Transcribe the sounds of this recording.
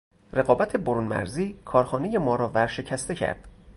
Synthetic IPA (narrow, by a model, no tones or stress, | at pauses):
re̞ɣɒːbæt̪ʰe̞boɾuːnmæ̰ɾziːkʰɒːɾxɒːne̞jemɒːɾɒːvæɾʃe̞cʰæst̪e̞cʰæ̰ɾd̪̥